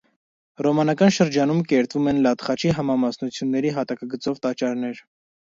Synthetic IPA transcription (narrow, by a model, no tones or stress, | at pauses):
rɔmɑnɑkɑnʃəɾd͡ʒɑnumkɛɾt̪vumɛnlɑt̪χɑt͡ʃʰiɦɑmɑmɑsnut͡sʰjunːɛɾiɦɑt̪ɑkɑɡət͡sɔvt̪ɑt͡ʃɑɾnɛɾ